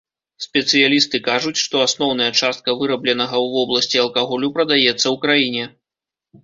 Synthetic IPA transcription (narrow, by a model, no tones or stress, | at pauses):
sʲpʲɛt̪sɨjalʲist̪ɨkaʐut͡sʲʂt̪ɔasnɔwn̪ɐjɐt͡ʂast̪̚kɐvɨɾɐblʲɛnɐɣɐwvɔblˠɐsʲt͡sʲiɐlˠkaɣɔlʲupɾɐd̪ajɛt̪sːɐwkɾajinʲɛ